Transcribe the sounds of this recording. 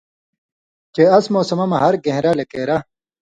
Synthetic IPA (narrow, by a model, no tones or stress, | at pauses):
t͡ɕeɐsmoːsɐmɐmɐɦɐɾɡẽɦɾalekeːɾa